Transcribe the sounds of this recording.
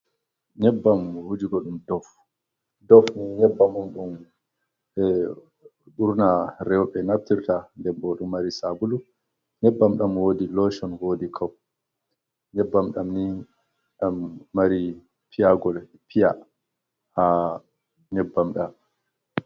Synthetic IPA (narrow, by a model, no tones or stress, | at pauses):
ɲɛbːamhud͡ʒiɡɔɗumdɔf | dɔfniɲɛbːamunɗum | ɗuɾnaɾɛwɔɓɛnaftiɾtandɛbɔɗumːaɾisabulu | ɲɛbːamɗamwodilɔʃɔnwodikʰaw | ɲɛbːamɗamni | ɗamːaɾi | pʰijaɡɔl | pʰija | ha | ɲɛbːamɗam